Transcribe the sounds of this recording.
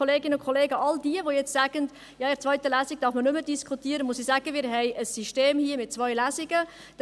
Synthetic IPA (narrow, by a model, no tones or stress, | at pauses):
oleːɡɪnəʊnkʰoleːɡəʔɑldiəʋojɛt͡stsæːɡ̥ənt | jɑːɪɾt͡sʋœɥtəlæːsik̚d̥ɑɾfmənʏməd̥iskʰutiəɾəmusisæːɡ̥əmɪːɾɦɛɪʔəsːiʃteːmhiəmɪt̚t͡sʋœɥlæːsiɡə | d̥